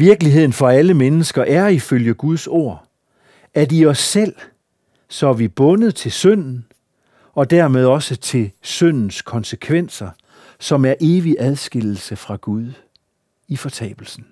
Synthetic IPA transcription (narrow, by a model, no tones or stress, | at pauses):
ʋiɐɡ̥əliɦe̝ð̞̰ˠn̩fɒ̽æləmenəsɡ̥ɐʔæɐiføljəɡ̥uð̞ˠso̝ɐ̰ | æɐdiɒ̽sːel̰ | sɒ̽æʋib̥ɔ̽nəð̩ˠt͡sʰe̝lsœn̰n̩ | ɒ̽d̥æɐ̰með̞ˠɒ̽sət͡sʰe̝lsøn̰n̩skʰɒ̽nsəkʰʋen̰sɐ | sɒ̽mæɐʔe̝ːʋiʔæð̞ˠsɡ̥e̝l̰l̩səfʁɑ̈ɡ̥uðˠ | ifɒ̽t͡sʰɛ̰ːb̥l̩sn̩